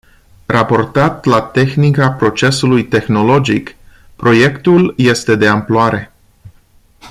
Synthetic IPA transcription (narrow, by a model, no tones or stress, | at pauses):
rʔapo̞rt̪at̪lat̪e̞xnikapɾo̞t͡ʃe̞sulujt̪e̞xno̞lo̞d͡ʒik | pɾo̞je̞kt̪ulje̞st̪e̞d̪e̞amploaɾe̞